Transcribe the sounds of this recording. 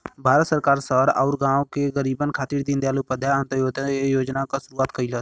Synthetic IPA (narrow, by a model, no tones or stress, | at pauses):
bʱaːɾət̪səɾkaːɾsəɾa̰ʊɾɡãːokeɣəɾiːbənkʰaːt̪iːɾd̪ind̪ejaːlʊpəd̪ʱjaə̃nt̪əjoːd̪joːd͡ʒnakasʊɾuaːt̪kəilət̪